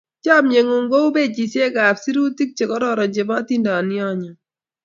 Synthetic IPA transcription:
t͡ʃa˦˨mɲe˨ŋo˨ŋɡo˦u˦be˦˨t͡ʃi˨sje˦ɡa˨psi˦ɾu˦ti˦k̚t͡ʃe˨kɔ˦ɾɔ˦˨ɾɔ˨ɲd͡ʒe˨ma˦ti˦ndɔ˨njɔ˦ɲɔ˨

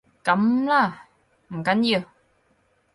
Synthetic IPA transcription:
kɐ˨˥mlaː˥˩ | m̩˨˩kɐ˨˥nji˧w

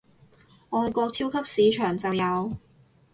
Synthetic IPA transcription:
ɔː˨˧jkɔː˧k̚t͡s̪ʰi˥wkʰɐ˥p̚siː˨˧˥t͡ʃʰœː˨˩ŋt͡sɐ˨wjɐ˨˧w

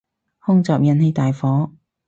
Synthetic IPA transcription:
hʊ˥ŋt͡sɔː˨p̚jɐ˨˧˥nhe˨˥jt̪aː˨jfɔː˨˥

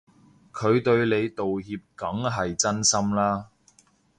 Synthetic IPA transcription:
kʰɵ˨˧ɥt̪ɵ˧ɥle˨˧jt̪o˨wɦiː˧p̚kɐ˨˥ŋɦɐ˨jt͡sɐ˥nsɐ˥mlaː˥

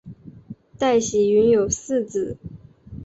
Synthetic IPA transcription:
t̪a˥˩ɪɕi˨˩y˧˥njo˨˩ʊsɹ̩˥˧t͡s̩˨˩˦

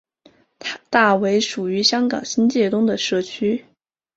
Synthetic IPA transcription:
t̪a˥˩we˧˥ɪʂu˨˩y˧˥ɕjɑ˥ŋkɑ̰˨˩ŋɕi˥nt͡ɕjɛ˥˩t̪ʊ˥ŋd̪ə˨ʂɤ˥˩t͡ɕʰy˥

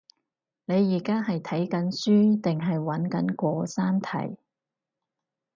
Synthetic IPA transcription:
ne˨˧jːiː˨˩kaː˥ɦɐ˨jt̪ʰɐ˨˥jkɐ˨˥nsyː˥t̪ɪ˨ŋɦɐ˨jwɐ˨˥nkɐ˨˥nkʷɔː˧saː˥nt̪ʰɐ̰˨˩j

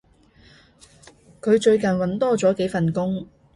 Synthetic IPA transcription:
kʰɵ˨˧ɥt͡ʃɵ˧ɥkɐ˨nwɐ˨˥nt̪ɔː˥t͡sɔː˨˥ke˨˥jfɐ˨˩nkʊ˥ŋ

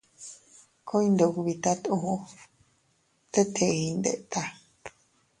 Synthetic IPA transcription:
ko˦ĩ˦nd̪o˨˧˨ku˧βi˧t̪a˦t̪ũ˨˦˧ | t̪e˦t̪ʰe˧˨˧i˧nd̪ḛ˨ʔt̪a˧

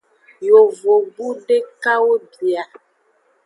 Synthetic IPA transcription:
jo˨vo˨bu˦ɖe˦ka˦wo˦bi˨a˨

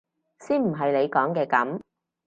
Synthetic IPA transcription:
siː˥nm̩˨˩ɦɐ˨jle˨˧jkɔː˨˥ŋkɛː˧kɐ˨˥m

